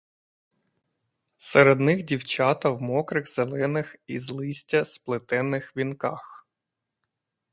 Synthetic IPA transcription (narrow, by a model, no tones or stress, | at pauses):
seɾed̪nɪxdʲiwt͡ʃɑt̪ɐwmɔkɾɪɣzelˠɛnɪxizlˠɪsʲtʲɐsplˠɪt̪ɛnːɪxʋʲinkɑx